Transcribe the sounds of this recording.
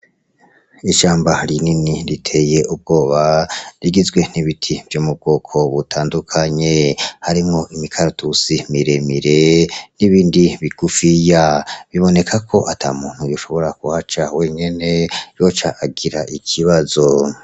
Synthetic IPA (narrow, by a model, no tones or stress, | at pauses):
iʃaːmbaɾininiɾitʰe̞je̞ʔub̚ɡo̞ːβaɾiɡizɡwe̞niβitʰivjomub̚ɡo̞kʰo̞βutʰaːndukʰaɲe̞haɾimŋo̞ʔimikʰaɾutusimiɾemiɾe̞niβiːndiβiɡ̥ufijaβiβo̞ne̞kʰakʰo̞ʔatʰa̰muːn̥hujuʃo̞βo̞ɾakuhat͡ʃawe̞ːɲe̞ne̞jo̞t͡ʃaʔaɡiɾaʔikʰiβazo̞